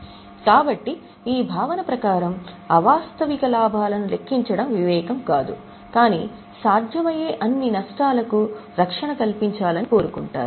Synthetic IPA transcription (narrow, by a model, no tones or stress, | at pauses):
kaːbɐʈːi | iːbʱaːʋɐnɐpɾɐkaːɾɐm | ɐʋaːst̪ɐʋikɐlaːbʱaːlɐnule̞kːiɲt͡ʃɐɽɐmʋiʋɛːkɐmkaːd̪ṵ | kaːnḭ | saːɾd̪ʱjɐmɐjeːʔɐnːinɐʂʈaːlɐkuɾɐkʂɐɳɐkɐlpiɲt͡ʃaːlɐniko̞ːɾukuɳʈa̰ːɾuu